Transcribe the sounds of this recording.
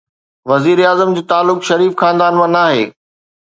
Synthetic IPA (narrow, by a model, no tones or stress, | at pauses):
ʋɐziːɾeaːzəmd͡ʑiːt̪aːlːʊkʃɐɾiːfxãːnd̪aːnmãnaːɦḛː